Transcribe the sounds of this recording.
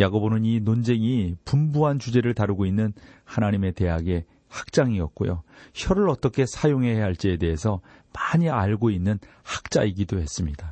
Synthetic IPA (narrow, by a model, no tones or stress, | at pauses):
jaɡobonɯninond͡ʑe̞ŋipumbuɦant͡ɕud͡ʑe̞ɾɯɭtaɾuɡoinːɯnhanaɲime̞te̞ɦaɡe̞ | hak̚t͡ɕ͈aŋiʌk̚k͈o̰jo̰çʰjʌɾɯɾʌt͈ʌkʰe̞sʰajoŋɦe̞ɦeɦaɭt͡ɕ͈eːde̞ɦesʰʌ | maɲiaɭɡoinːɯnhḁk̚t͡ɕ͈aiɡidohe̞s͈ɯmɲida